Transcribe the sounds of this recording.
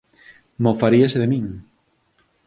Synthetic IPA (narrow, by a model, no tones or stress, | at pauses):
mofaɾiaseðemĩŋ